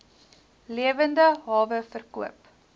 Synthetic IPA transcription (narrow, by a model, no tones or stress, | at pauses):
liəvəndəɦɑːvəfərkuəp